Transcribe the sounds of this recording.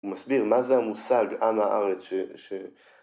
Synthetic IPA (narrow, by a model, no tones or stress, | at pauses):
umasbiʁmazeamusaɡamhaʔaʁet͡sʃeʃe